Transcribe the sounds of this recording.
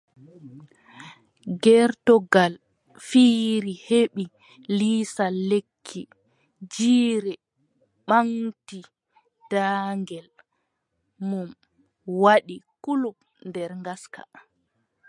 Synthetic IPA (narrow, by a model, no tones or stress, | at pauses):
ɡɛɾtɔɡal | fiːɾiheɓi | liːsalːekʰːi | d͡ʒiːɾɛ | ɓaŋti | d̥aːŋɡɛl | mum | waɗikulup | ndɛɾŋɡaska̰